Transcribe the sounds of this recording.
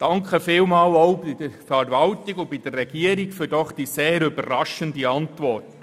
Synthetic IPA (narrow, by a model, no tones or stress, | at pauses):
d̥ɑŋkχəfɪːlmɑːloʊbɪdəɾfɛɾvɑltɪɡʊbɪd̥əːɛɡ̥iəɾɪɡfyɾdɔχd̥iːseːɾʏbərrːɑʃəndiɑntʋɔrt